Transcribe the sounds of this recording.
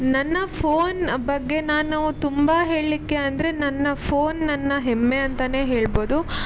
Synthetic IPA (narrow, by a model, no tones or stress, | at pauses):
nɐnːɐpʰoːnbɐɡːe̞naːnɐʋut̪umbɐɦe̞ːɭlikːe̞ɐnd̪ɐɾe̞nɐnːɐpʰoːnːɐnːɐɦemːe̞ɐnt̪ɐne̞ːɦe̞ːɭbo̞ːd̪u